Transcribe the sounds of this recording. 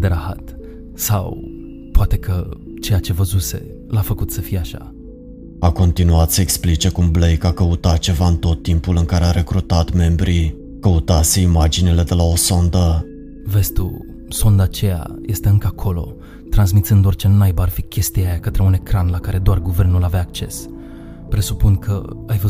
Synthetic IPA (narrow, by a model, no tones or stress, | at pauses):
d̪eɾaha̰t̪ | sa̰w | poat̪e̞kə | t͡ʃe̞jat͡ʃe̞vəzuse̞̰ | lafəkut̪səfijeaʃa̰ | ako̞nt̪inuat̪səeksplit͡ʃe̞kumblejkakəut̪at̪̚t͡ʃe̞vaɨnt̪o̞t̪ːimpulɨŋkaɾeaɾe̞kɾut̪at̪me̞mbɾi | kəut̪ase̞imad͡ʒinile̞d̪e̞lao̞so̞nd̪ə | ve̞st̪ṵ | so̞nd̪aːt͡ʃe̞ja̰je̞st̪e̞ɨŋkəakʰo̞lo̞̰ | t̪ɾansmit̪sɨnd̪o̞rt͡ʃe̞nmajbəarfikʲʰe̞st̪ijajakət̪ɾe̞une̞kɾanlakaɾe̞d̪oarɡuve̞rnulaveaːk̚t͡ʃe̞̰s | pɾe̞supunkʰə̰ajvə